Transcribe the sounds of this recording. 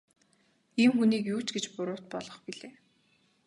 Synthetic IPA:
iːmxuniːkjuːt͡ɕɡet͡ɕpʊɾʊːwʰt̪̚pɔɮɞ̆χpiɮeː

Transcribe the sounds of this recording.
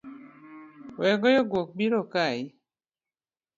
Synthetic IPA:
wɛɡɔjoɡwok̚biɾokai

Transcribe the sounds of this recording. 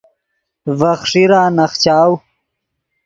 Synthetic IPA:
vɐχʂiɾaːnɐχt͡ɕaːw

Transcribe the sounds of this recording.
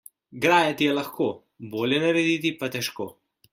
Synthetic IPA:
ɡɾaːjɛt̪ijɛlɐxkoː | boːljɛnɐɾɛd̪it̪ipat̪ɛʃkoː

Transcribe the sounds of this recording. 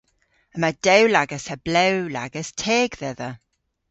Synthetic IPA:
əmad̥ɛwlaɡəsəb̥lɛwlaɡəstʰɛːɡðɛðə

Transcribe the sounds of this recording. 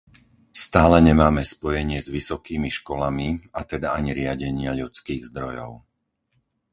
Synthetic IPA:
st̪aːlɛɲɛmaːmɛspɔjɛɲɪɛzʋisɔkiːmiʃkɔlamiat̪ɛd̪aaɲiɾɪaɟɛɲɪaʎut͡skiːɣzd̪ɾɔjɔ̰ʊ

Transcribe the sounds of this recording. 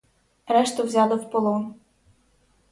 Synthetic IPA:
ɾɛʃt̪ɔwzʲɑlˠɔwpɔlˠɔn

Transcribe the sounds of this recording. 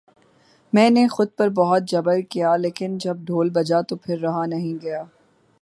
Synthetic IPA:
mɛ̃ːnexʊd̪̚pɐɾbɔɦʊt̪̚d͡ʒɐbəlkijaleːkɪnd͡ʒɐb̚ɖʱoːlbɐd͡ʒat̪opʰɪɾːɐɦanɐɦĩɡɐjaː

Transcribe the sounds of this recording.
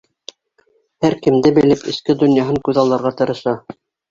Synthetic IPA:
hæɾkɘ̆md̪ɘbɘ̆lɘpɘ̆skɘd̪ŏnjɑɦɤŋkʉðɑlˠːɑɾʁɑt̪ɤ̆ɾɤ̆ʃɑ

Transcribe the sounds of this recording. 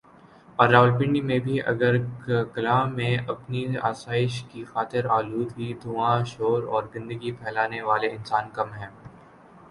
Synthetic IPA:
ɔːɾːaːʋəlpɪ̃ɳɖimẽbʱiʔɐ̰ɡəɾkɐlaːmẽɐpnia̰ːsaːɪʃkixaːt̪ɪɾaːluːd̪ɦid̪ʊãʃoːɾɔːɾzɪ̃nd̪əɡipʰɛːlaːneʋaːleɪ̃nsaːnkɐmɦɛ̃ː

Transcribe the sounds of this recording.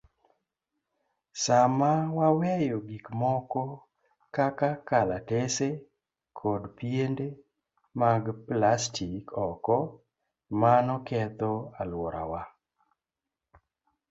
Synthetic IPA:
samawawɛjɔɡikmɔkɔ | kakakalatese | kʰɔdpjende | maɡplastʰikɔkɔ | manɔkɛt̪ɔalwɔɾa̰wa

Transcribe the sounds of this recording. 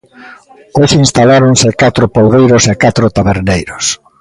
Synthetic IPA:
oʃĩnst̪alaɾoŋsɪkat̪ɾʊpowðejɾosekat̪ɾʊt̪aβeɾnejɾos

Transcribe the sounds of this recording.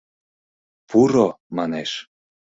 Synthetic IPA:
pʰuɾomɑneʃ

